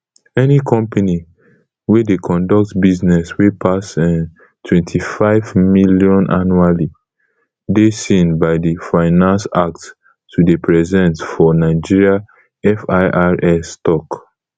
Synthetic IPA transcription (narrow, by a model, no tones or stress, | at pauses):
ɛnikʰɔ̃mpʰani | wedekʰɔ̃ndɔk̚tbiznɛswepʰasɛ̃n | tʰwɛ̃ntʰifaɪvmiljɔ̃nʔa̰nuali | desĩnbaɪdifaɪnãnsak̚tː | udepʰɹɛzɛ̃ntfɔnaɪd͡ʒiɹia | ɛfaʔaɹɛstɔk